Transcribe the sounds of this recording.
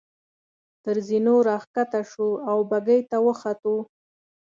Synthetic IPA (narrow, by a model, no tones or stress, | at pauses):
t̪əɾzinoɾɑxkat̪aʃuawbaɡəjt̪awəxat̪o